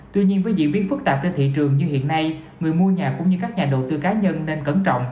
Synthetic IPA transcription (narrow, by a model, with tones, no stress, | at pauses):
t̪wi˧ɲi˧ənvəː˨˦jzḭ˧˨ɓi˦˥ət̚fɨ˦˥k̚t̪aː˨˩p̚t͡ɕe˧nt̪ʰḭ˧˨t͡ɕɨ˨˩əŋɲɨ˧hḭ˧˨ənːa˧j | ŋɨ˨˩əjmu˧əɲaː˨˩kʊ̰˧˥ŋ͡mɲɨ˧kaː˦˥k̚ɲaː˨˩ɗo̰˧˨t̪ɨ˧kaː˨˦ɲə˧nːe˧nkə˧˩nt͡ɕɔ̰˧˨wŋ͡mʔ